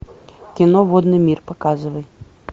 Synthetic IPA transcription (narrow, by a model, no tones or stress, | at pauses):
kʲinɔvɔd̪nɨmʲirpakazɨvɐj